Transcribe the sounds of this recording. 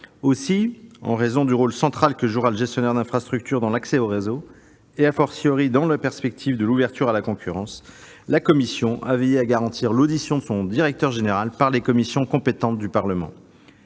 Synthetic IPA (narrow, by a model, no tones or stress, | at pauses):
osiɑ̰̃ʁezɔ̃d̪yʁolsɑ̃t̪χalkəʒuʁaləʒɛst̪jɔnɛʁd̪ɛ̃fχast̪χyk̚t̪yʁd̪ɑ̃laksɛoʁezo | eafɔʁsiɔʁid̪ɑ̃lapɛʁspɛk̚t̪ʰivd̪əluvɛʁt̪ʰyʁalakɔ̃kʲʰyʁɑ̃s | lakɔmisjɔ̃ʔa̰vɛjeaɡaʁɑ̃t̪ʰiʁlod̪isjɔ̃d̪əsɔ̃d̪iʁɛk̚t̪œʁʒeneʁalpaʁlekɔmisjɔ̃kɔ̃pet̪ɑ̃t̪̚d̪ypaʁləmɑ̰̃